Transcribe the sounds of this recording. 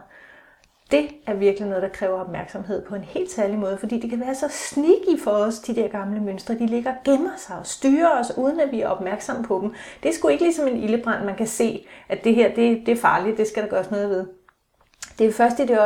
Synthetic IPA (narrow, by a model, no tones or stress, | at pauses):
d̥e̝æɐʋiɐɡ̥linɔð̞ˠd̥ɑ̈kʰʁɛːʊɐɒ̽b̥mæɐɡ̥sɒ̽mɦe̝ð̞̰ˠpʰɒ̽e̝nhe̝̰ːld̥sæɐlimɔ̽ːð̞ˠfɒ̽d̥ḭːd̥e̝kʰæʋæːɐsɒ̽sniɡ̥ifɒɒsd̥id̥æɐɡ̥ɑ̈mləmønsd̥ʁɐd̥ile̝ɡ̥ɐɡ̥emɐsɑ̈ɪɒ̽sd̥yːɐɒsuːð̞ˠən̩æʋiæɐʔɒ̽b̥mæɐɡ̥sɒ̽m̰pʰɒ̽d̥em̩d̥e̝sɡ̥ue̝ɡ̥əlisɒ̽me̝niləb̥ʁɑ̈n̰̥mænkʰæse̝̰ːʔæd̥e̝ɦeɐ̰d̥e̝d̥e̝æɐfɑ̈ːlid̥e̝sɡ̥æɾ̥ɑ̈ɡ̥ɶːɐsnɔ̽ːð̞̩ˠʋe̝ð̞ˠ | d̥e̝æfɶɐsd̥id̥e̝ɒ